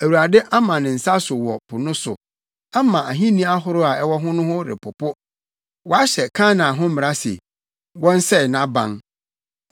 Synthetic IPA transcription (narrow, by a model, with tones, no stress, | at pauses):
æ˨wu˨ɾa˨dɛ˦ʔa˦mã˨nɪ̃˨n̩˨sa˦sʊ˨wɔ˨pʰʊ˨nʊ̃˦sʊ̰˨ | a˦mã˨ʔa˨ɦĩ˦nĩ˦a˦ɦʊ˦ɾʊ˦a˨ɛ˦wɔ˦ɦʊ̃˦nʊ̃˦hʊ̃˦ɾɪ̰˨pʰʊ˨pʊ˦ | wɔ˨a˦ɕɛ˨kʰãː˦nã˨ɦʊ̃˦mɪ̃˨ɾa˦sḛ˨ | wɔ̃˦n̩˦sɛ˦˨nã˦bã̰˦ŋ